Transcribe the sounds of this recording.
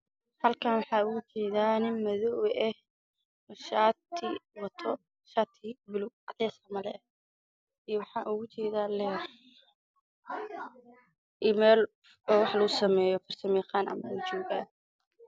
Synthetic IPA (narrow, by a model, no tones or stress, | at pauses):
hɐlkʰaːnwɑħɑːʊɣʊt͡ʃɛːðaːnɪnmɐðɔwʔɛh | ʃat̪ʰɪwɐt̪ʰɔ | ʃaːt̪ʰɪbɪlʊʔɐt̪ʰɛːsɐmɐlɛ̰ɛ | iwɑħɑːʔʊɣʊt͡ʃɛːðaːlɛr | ʔiːmɛːl | ɔːwɑħlɐɣʊsɐmɛːjɔfɐrsɐmɛːχaːnɐ̰mɐɛt͡ʃɔːɣaːn